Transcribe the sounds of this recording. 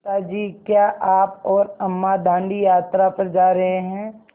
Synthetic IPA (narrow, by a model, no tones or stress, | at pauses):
t̪ad͡ʒiːkjaːʔaːp̚ɔːɾɐmːad̪ʱãːɳɖijaːt̪ɾapɐɾd͡ʒaːɾɐɦeɦɛ̃ː